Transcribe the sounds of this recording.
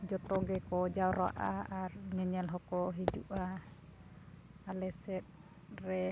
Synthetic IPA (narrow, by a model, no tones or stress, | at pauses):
d͡ʒɔt̪ɔɡɛkɔd͡ʒaɾa̰ʔa̰arɲɛɲɛlɦɔkɔɦid͡ʒuʔa | alɛsɛt̪̚ | rɛ